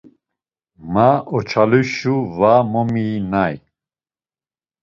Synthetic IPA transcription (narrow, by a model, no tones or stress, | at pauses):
maɔt͡ʃʰaluʃuvamɔminaj